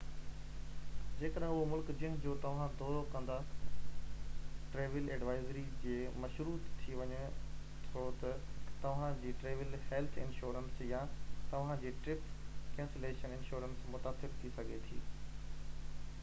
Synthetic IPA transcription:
d͡ʑeːkəɗɦɪ̃ʊɦomʊlkd͡ʑĩːə̃ɦʊ̃d͡ʑoːt̪ɐʋ̤ãd̪ʱoːkɐ̃nd̪a | ʈɾeːʋɪleːɖʋaːɪzɾid͡ʑeːmɐʃɾuːt̪t̪ʰːiʋɐɲet̪ʰot̪ɐt̪ɐʋ̤ãd͡ʑiːʈɾeːʋɪlhelt̪ʰɪ̰nʃuːɾənsjat̪ɐʋ̤ãd͡ʑeːʈɾɪpkɛ̃ːnseleːʃənɪ̃nʃuːɾənsmʊt̪aːsɪɾt̪ʰisɐɡʱet̪ʰḭː

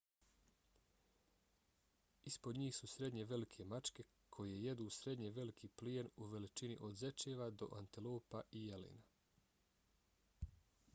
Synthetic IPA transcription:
ispod̪ɲiːxsusɾe̞d̪ɲe̞ʋe̞likʰe̞mat͡ʃke̞ | kʰo̞jeeje̞d̪uːsɾe̞d̪ɲeʋe̞likʰiːplijenuʋe̞lit͡ʃinḭʔo̞d̪ze̞t͡ʃeːʋad̪o̞̰ʔant̪ilo̞ːpaʔijelḭːna

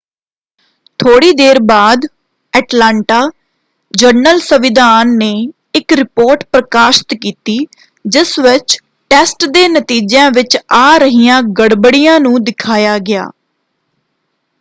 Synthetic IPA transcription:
t̪ʰoːɽiːd̪eːɾbaːd̪ | ɛːʈlaːɳʈaː | d͡ʒəɾnəlsəʋɪd̪aːnːeː | ɪkɾɪpoːɾʈpɾəkaːʃɪ̥t̪kiːt̪iː | d͡ʒɪsʋɪt͡ʃ | ʈɛːsʈd̪eːnət̪iːd͡ʒãːʋɪt͡ʃaːɾəɦiːjãːɡəɽbəɽijãːnũːd̪ɪkʰaːjaːɡɪa̰ː

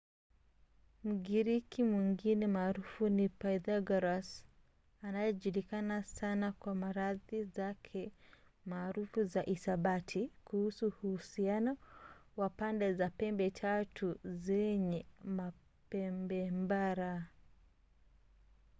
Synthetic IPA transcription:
m̩ɡiɾikimwiŋɡinɛmaːɾufunipajðaɡaɾas | anajɔʄuɾikanasanakwamaɾaðizakʰɛ | maːɾufuzaʔisaɓatʰikuhusuhuhusianɔwapandɛzapɛmbɛtʰatʰuzɛɲɛma | pɛmbɛmbaɾa

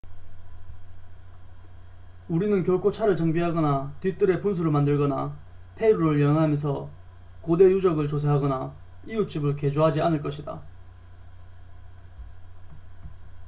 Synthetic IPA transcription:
uɾinɯnkjʌɭkʰot͡ɕʰaɾɯɭt͡ɕaŋbiɦaɡʌnatɥit͈ɯɾe̞puns̬ʰuɾɯɭmandɯɭɡʌna̰ | pʰe̞iɾuɾɯɭjʌnɦamjʌns̬ʰʌ | kode̞jud͡ʑʌɡɯɭt͡ɕos̬ʰeɦaɡʌna | ijut͡ɕ͈ibɯɭke̞d͡ʑoɦad͡ʑianɯɭk͈ʌɕʰida̰

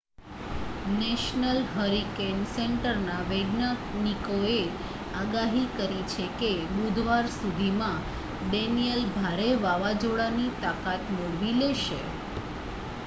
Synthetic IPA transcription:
nɛʃnəlɦəɾikenseɳʈəɾnaʋeɡnənikoe | aɡaɦikəɾit͡ʃʰekebud̪ʱʋaɾsud̪ʱimã | ɖenijəlbʱaɾeʋaʋad͡ʒoɽanit̪akat̪moɭʋileʃe

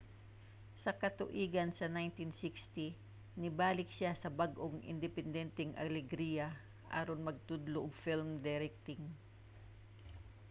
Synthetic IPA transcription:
sɐkɐt̪ʊʔiːɡɐnsɐnajnt̪ɪnsikst̪i | nɪbaːlɪksasɐbaɡʔoŋʔɪ̰nd̪ɪpɛnd̪ɛnt̪ɛŋʔɐ̰lɛɡɾiːjɐ | ʔa̰ːɾonmɐɡ̚t̪ʊd̪loʔoɡfilmd̪ɛɾɛk̚t̪ɪŋ

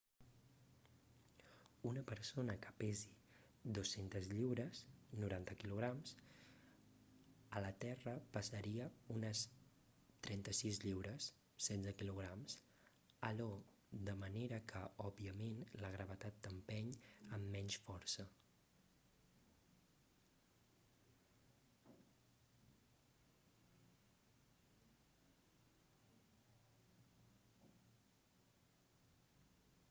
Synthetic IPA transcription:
unəpəɾsonəkə̥pɛzi | d̪osːent̪əzʎiwɾəznuɾant̪əkiluɣ̞ɾamz | ələt̪ɛrəpəsəɾiəunəs | t̪ɾɛnt̪əsizʎiwɾəsː | ɛnzəkiluɣ̞ɾamz | əʎɔ | d̪əməneɾəkʰəʔɔbiəmenləɣɾəβət̪at̪̚d̪əmpɛɲəmːɛɲʃfɔɾsə

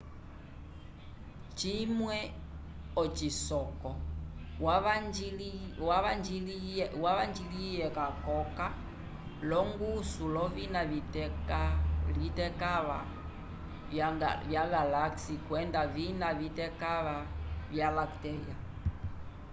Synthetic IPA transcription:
t͡ʃimwɛ | ɔt͡ʃisɔkɔ | waad͡ʒilwaβand͡ʒilijɛkakɔka | lɔŋɡusulɔvinavitɛalitɛkaβa | vjaɣalaksikwɛndavinavitɛkaβavjalaktɛɾia

